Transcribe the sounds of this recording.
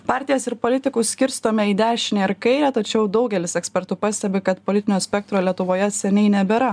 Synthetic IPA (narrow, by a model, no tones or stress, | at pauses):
pɑːˑɾʲt̪ʲɪjɛsɪɾpoːlʲɪt̪ʲɪkuːsʲkʲɪɾʲst̪oːmʲɛiːd̪ʲæːʃʲɪnʲɛɪɾkɐɪɾʲæːt̪ɐt͡ʃʲɛʊd̪ɒʊɡʲɛlʲɪsɛksʲpʲɛɾt̪ʊpɑːsʲt̪ʲɛbʲɪkɐt̪polʲɪt̪ʲɪnʲoːsʲpʲɛkt̪ɾoːlʲiɛt̪ʊʋoːjɛsʲɛnʲɛɪnʲɛbʲɛɾɐ